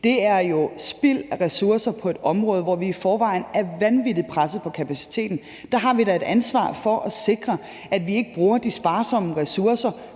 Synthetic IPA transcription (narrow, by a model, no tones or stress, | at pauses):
d̥e̝æɐjo̝sb̥il̰ʁɛsuɐsɐpʰɒ̽e̝d̥ɒ̽mʁɔːð̞ˠʋɒʋiːfɒːʋɑ̈ɪ̰n̩æɐʋænʋidipʰʁasð̩ˠpʰɒ̽kʰæpʰæsi̥t͡sʰe̝̰ːd̥n̩ | d̥ɑɦɑ̈ʋid̥æe̝d̥ænsʋɑ̰̈ːfɒ̽ʔæse̝ɡ̥ʁɐ | ʔæd̥ʋie̝ɡ̥əb̥ʁuːɐd̥isb̥ɑ̈ːsɒ̽məʁɛsuɐsɐ